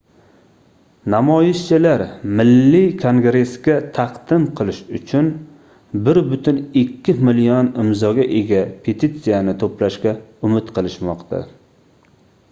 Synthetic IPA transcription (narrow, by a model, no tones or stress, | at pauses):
namɒjɪʃt͡ʃʰɪlaɾmɪlːikʰoŋɡɾe̞skʲat̪ʰɑqd̪̥ɪmqʰɨlˠɪʃʊt͡ʃʰʊn | bɪɾbʊt̪ʰɪnɪkʲʰːɪmɪlijɔnɪmzɒɡʲaʔe̞ɡʲapʰe̞t̪ʰit̪sijanɪt̪ʰoplaʃkʲaʊmɪt̪qʰɨlˠɪʃmɒqt̪ʰa̰